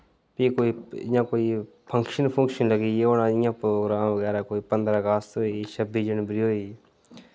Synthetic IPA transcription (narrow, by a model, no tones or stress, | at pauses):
piːkoːiːɪ̰jãːkoːiː | pʰə̃ŋkʃənpʰə̃ŋkʃənləɡiːeoːnãɪjãːpɾoːɡɾaːmʋəɡɛːɾaːkoːiːpənd̪ɾaːɡaːst̪oːiːt͡ʃʰəbiːd͡ʒənbəɾiːɦoːi